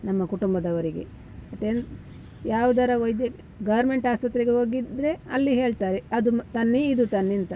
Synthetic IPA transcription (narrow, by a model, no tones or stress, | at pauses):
nɐmːɐkuʈumbɐd̪ɐʋɐɾiɡḛ | ɐt̪eːn | jaːʋud̪ɐɾɐʋɐjd̪jɐ | ɡɐʋɐɾme̞ɳʈaːspɐt̪ɾeɡeɦo̞ːɡid̪ɾe̞ɐlːiɦe̞ːɭt̪aːɾeɐd̪ut̪ɐnːeid̪ut̪ɐnːint̪ɐ